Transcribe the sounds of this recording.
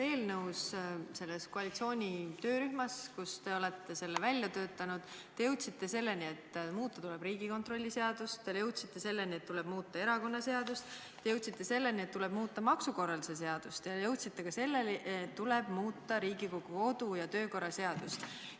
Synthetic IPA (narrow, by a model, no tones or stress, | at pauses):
e̞ːlnɤwsse̞lːeskoɑlʲit̪sio̞ːnʲit̪ø̞ːɾyhmɑskust̪e̞o̞le̞t̪ːe̞se̞lːevælʲːjɑt̪ø̞ːt̪ːˑɑnud̪̥ | e̞jɤwt̪ʲsit̪ːe̞se̞lːe̞nʲie̞t̪ːmuːt̪ːˑɑt̪ule̞b̥ɾiːɡ̥iko̞nt̪ro̞lʲːise̞ɑd̪̥ust̪ːɑjɤwt̪sit̪ːe̞se̞lːe̞nʲiet̪ːule̞b̥muːt̪ˑːɑe̞ɾɑko̞nːɑse̞ɑd̪ust̪ | t̪ːejɤwt̪sit̪ːe̞se̞lːe̞nʲiet̪ːule̞b̥muːt̪ːˑɑmɑksuko̞rɑlise̞s̬e̞ɑd̪̥ust̪jɑjɤwt̪sit̪ːekɑse̞lːe̞lʔet̪ːule̞b̥muːt̪ˑːɑɾiːɡikoɡ̥uo̞d̪̥ujɑt̪ø̞ːko̞rːɑse̞ɑd̪̥ust̪